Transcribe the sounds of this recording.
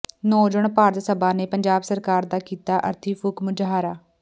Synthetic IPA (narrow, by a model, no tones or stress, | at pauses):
nɔːd͡ʒʊɳpaːɾət̪səbaːneːpəɲd͡ʒaːbsəɾkaːɾd̪aːkiːt̪aːʔə̰ɾt̪ʰiːfʰʊkmʊd͡ʒɦaːɾaː